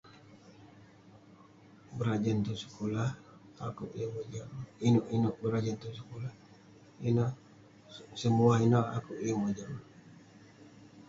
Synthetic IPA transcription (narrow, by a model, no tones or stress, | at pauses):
bəɾad͡ʒənt̪usə̥kolah | akuʔjəŋəd͡ʒainuʔinʊʔbəɾad͡ʒənt̪usəkolah | inɔ | səmuainɔa̰kuʔjəŋəd͡ʒa